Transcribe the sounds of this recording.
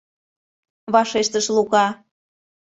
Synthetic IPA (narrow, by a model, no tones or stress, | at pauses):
βɑʃeʃt̪əʃluɣɑ